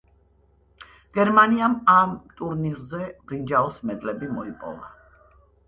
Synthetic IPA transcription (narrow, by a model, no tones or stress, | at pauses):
ɡ̥ɛɾmaniamamt̪ʼuɾniɾzɛbind͡ʒaɔsmɛd̪lɛbimɔipʼɔ̰va